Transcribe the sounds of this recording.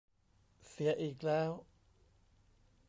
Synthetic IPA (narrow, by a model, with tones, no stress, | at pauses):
si˩˦ɐʔiː˨˩k̚lɛː˦˥w